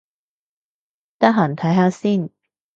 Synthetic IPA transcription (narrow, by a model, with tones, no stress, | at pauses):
t̪ɐ˥ɦaː˨˩nt̪ʰɐ˨˥jɦaː˨˧˥siː˥˩n